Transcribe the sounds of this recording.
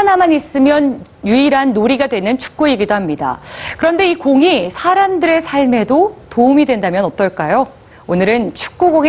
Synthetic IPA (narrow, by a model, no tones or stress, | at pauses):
anamanis͈ɯmjʌnjuiɾanːoɾiɡadwe̞nɯnt͡ɕʰu̥k̚k͈uiɡidoɦamɲida̰kɯɾʌnde̞ikoŋisʰaɾamdɯɾesʰaɭme̞dotoumidwe̞ndamjʌnʌt͈ʌɭk͈ajo | onɯɾɯnt͡ɕʰu̥k̚k͈uɡoŋ